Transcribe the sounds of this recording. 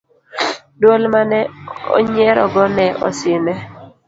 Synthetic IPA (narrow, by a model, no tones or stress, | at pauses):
dolmanɛɔ̰ɲɛɾɔɡɔnɛʔɔ̰sɪnɛ